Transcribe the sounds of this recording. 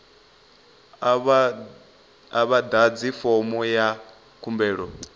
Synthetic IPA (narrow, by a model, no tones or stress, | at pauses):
aβad̪ad͡zifɔmɔja | kʰumbɛːɺɔ